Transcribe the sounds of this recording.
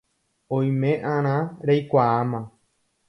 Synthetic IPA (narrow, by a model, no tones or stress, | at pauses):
õj̃mẽʔãɾ̃ãɾejkʷaamã